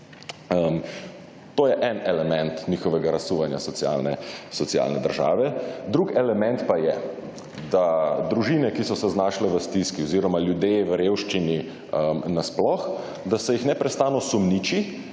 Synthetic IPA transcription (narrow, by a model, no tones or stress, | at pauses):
əm | t̪oːjɛʔɛnɛlɛmɛnt̪nʲiːxɔʋɛɡaɾasuʋanja̰sɔt̪ja̰lnɛsɔt̪sia̰ːlnɛd̪əɾʒa̰ːʋɛd̪ɾukɛlɛmɛ̃nt̪pajɛ | d̪ad̪ɾuʒiːnɛkisɔsɛznaʃlɛʋəst̪iskiɔziːɾɔmaljud̪eʋəɾjeːwʃt͡ʃini | əmnasplɔx | d̪asɛjixnɛpɾɛst̪aːnɔsumniːt͡ʃi